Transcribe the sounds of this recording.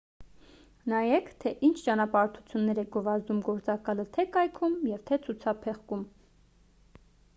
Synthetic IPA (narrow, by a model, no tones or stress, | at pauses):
nɑjɛkt̪ʰɛʔint͡ʃʰt͡ʃɑnɑpɑɾt̪ʰu̥t͡sʰjunːɛɾɛɡɔvɑzd̪umɡɔɾt͡sɑkɑlət̪ʰɛkɑjkʰumjɛvt̪ʰɛt͡sʰut͡sʰɑpʰɛχkum